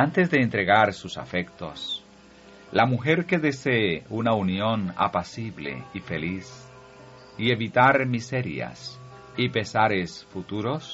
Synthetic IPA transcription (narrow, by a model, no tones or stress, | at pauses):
ant̪e̞zðeːnt̪ɾeɣaɾsusa̰fekt̪o̞̰s | lamuxe̞ɾke̞ðe̞seːunaunjona̰pasiβle̞̰ifelis | ie̞βit̪aɾmise̞ɾja̰s | ipe̞saɾesfut̪uɾo̞s